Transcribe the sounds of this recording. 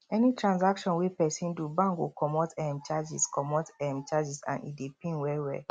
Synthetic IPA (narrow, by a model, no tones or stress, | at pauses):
ɛnitɹãnsakʃɔ̃nwipɛsĩndubãŋkwikɔmɔtɛmt͡ʃad͡ʒiskɔmɔtɛmt͡ʃad͡ʒisã̰nḭdepĩnwɛwɛ̰